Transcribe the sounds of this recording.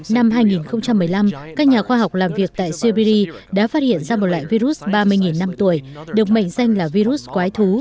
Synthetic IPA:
na˧mɦaː˧jŋi˨˩nxə˧wŋ͡mt͡ɕa˧mːɨ˨˩əjla˧mkaː˦˥k̚ɲaː˨˩xwaː˧ɦa˨˩wk͡p̚laː˨˩mvi˨˩ək̚t̪a̰ː˧˨jswi˧ɓi˧ɾi˧ | ɗa̰ː˧˥faː˦˥t̚hḭ˧˨ənzaː˧mo˨˩t̚lwa̰ː˧˨jvi˧ɾu˦˥t̚ɓaː˧mɨ˧əjŋi˨˩nːa˧mt̪u˧˩əjɗɨ˨˩ək̚mə̰˧˨jŋ̟za˧jŋ̟laː˨˩vi˧ɾu˦˥t̚kwaː˨˦jt̪ʰu˨˦

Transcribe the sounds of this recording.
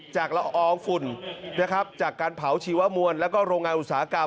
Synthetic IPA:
t͡ɕaː˨˩k̚la˧ʔʔɔː˧˩ŋfu˨˩nna˦˥kʰa˦˥p̚t͡ɕaː˨˩kːaː˧npʰa˩˦wt͡ɕʰiː˧˦wa˦˥mu˧ənlɛː˦˥wkɔː˥˩ɾoː˧ŋaː˧nʔu˨˩t̪̚saː˩˦a˦˥ka˧

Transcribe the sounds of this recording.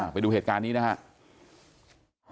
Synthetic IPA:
pa˧jduː˧e˨˩t̪̚kaː˧nːiː˦˥na˦˥kʰa˦˥ʔ | h

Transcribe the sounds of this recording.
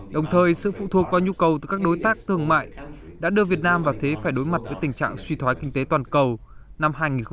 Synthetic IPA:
ɗə˨˩wŋ͡mt̪ʰəː˨˩jsɨ̰˧˨fṵ˧˨t̪ʰu˨˩ək̚vaː˨˩ɲu˧kə˨˩wt̪ɨ˨˩kaː˦˥k̚ɗo˨˦jt̪aː˦˥k̚t̪ɨ˧˩əŋma̰ː˧˨j | ɗa̰ː˧˥ɗɨ˧əvi˨˩ət̚naː˧mvaː˨˩wt̪ʰe˨˦faː˧˩jɗo˨˦jma˨˩t̚vəː˨˦jt̪ï˨˩ŋ̟t͡ɕa̰ː˧˨ŋswi˧t̪ʰwaː˨˦jkï˧ŋ̟t̪e˨˦t̪waː˨˩nkə˨˩w | na˧mɦaː˧jŋi˨˩nx

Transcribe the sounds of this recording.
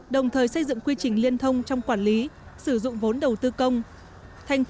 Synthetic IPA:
ɗə˨˩wŋ͡mt̪ʰəː˨˩jsə˧jzɨ̰˧˨ŋkwi˧t͡ɕï˨˩ŋ̟li˧ənt̪ʰə˧wŋ͡mt͡ɕɔ˧wŋ͡mkwaː˧˩nli˨˦sɨ˧˩zʊ̰˧˨ŋ͡mvo˨˦nɗə˨˩wt̪ɨ˧kə˧wŋ͡m | t̪ʰa˨˩jŋ̟

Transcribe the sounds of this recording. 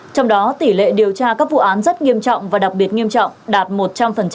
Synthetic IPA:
t͡ɕɔ˧wŋ͡mɗɔ˨˦t̪i˧˩lḛ˧˨ɗi˨˩əwt͡ɕaː˧kaː˦˥k̚vṵ˧˨ʔaː˨˦nzə˦˥t̚ŋi˧əmt͡ɕɔ̰˧˨wŋ͡mvaː˨˩ɗa˨˩k̚ɓi˨˩ət̚ŋi˧əmt͡ɕɔ̰˧˨wŋ͡mɗaː˨˩t̚mo˨˩t̚t͡ɕa˧mfə˨˩nt͡ɕ

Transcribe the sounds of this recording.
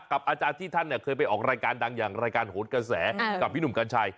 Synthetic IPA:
ka˨˩p̚ʔaː˧t͡ɕaː˧nt̪ʰiː˥˩t̪ʰa˥˩nːi˥˩kʰɤː˧jp̬a˧jʔɔː˨˩k̚ɾaː˧jkaː˧ndaː˧ŋjaː˨˩ŋɾaː˧jkaː˧nhoː˨˦nkɾa˧sɛː˩˦ka˨˩p̚ʰːi˥nu˨˩mkaː˧nt͡ɕʰa˧j

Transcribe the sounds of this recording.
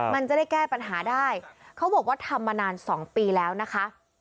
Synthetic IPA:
ma˧nt͡ɕa˨˩da˥˩jkɛː˥˩pa˧nɦaː˩˦daː˥˩jkʰa˦˥wbɔː˨˩k̚waː˥˩t̪ʰa˧mːa˧naː˧nsɔː˩˦ŋpiː˧lɛː˦˥wna˦˥kʰa˦˥ʔ

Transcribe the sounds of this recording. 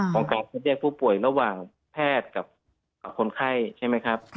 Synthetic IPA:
kʰɔː˨˦ŋkaː˨˩nsʰa˧t̪̚ɾi˥˩ək̚pʰuː˧˥˩pu˨˩əjɾa˧waː˨˩ŋ | pʰɛː˥˩t̪̚ka˨˩p̚ | a˨˩p̚kʰo˧˦nkʰa˥˩jt͡ɕʰa˥˩jma˦˥jkʰa˦˥p̚

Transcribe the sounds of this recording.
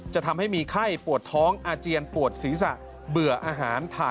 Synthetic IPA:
t͡ɕa˨˩ʔt̪ʰa˧mha˥˩jmiː˧kʰa˥˩jpu˨˩ət̪ʰːɔː˦˥ŋʔaː˧t͡ɕi˧ənpu˨˩ət̪̚siː˩˦sa̰˨˩ʔ | bɯ˨˩əʔaː˧ɦaː˩˦nt̪ʰaː˧˩

